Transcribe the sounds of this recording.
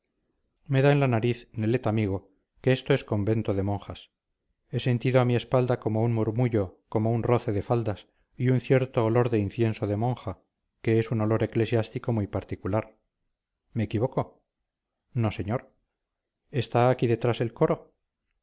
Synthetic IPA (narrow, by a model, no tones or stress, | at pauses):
me̞ðaenlanaɾiθne̞le̞t̪amiɣ̞o̞ | ke̞est̪o̞e̞sko̞mbe̞nt̪oðemõ̞ŋxas | e̞se̞nt̪iðoamie̞spald̪ako̞mo̞unmuɾmuʝo̞ko̞mo̞unro̞θe̞ðe̞fald̪as | iun̟θje̞ɾt̪oːlo̞ɾðe̞inθje̞nsoðe̞mõŋxa | ke̞esuno̞lo̞ɾe̞kle̞sjast̪iko̞mujpaɾt̪ikulaɾ | me̞ːkiβ̞o̞ko̞ | no̞se̞ɲoɾ | e̞st̪aːkiðe̞t̪ɾase̞lko̞ɾo̞